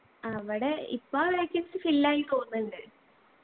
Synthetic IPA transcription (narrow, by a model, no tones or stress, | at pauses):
ɐʋiɽe̞ḭpːaːʋeːjkʲːɐnsɨfilːaːjilkoːnːɐɳɖɨ